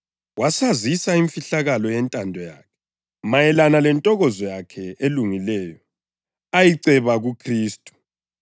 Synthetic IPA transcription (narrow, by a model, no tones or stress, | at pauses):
wasazisaiɱfiɬaɣalɔjɛntʼandʱɔja̰ːkʰɛ̥ | majɛlanalɛntʼɔɣɔzɔjakʰɛʔeluŋilɛːjɔ | ajiǀɛβaɣukʰriːstʼu̥